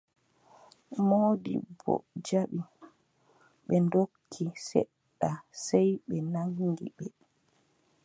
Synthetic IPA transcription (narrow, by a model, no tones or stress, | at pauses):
moːdḭbɔ̰d͡ʒaɓi | ɓɛndokʰːisɛ̰ɗːasɛjɓɛnaŋːɡḭɓɛ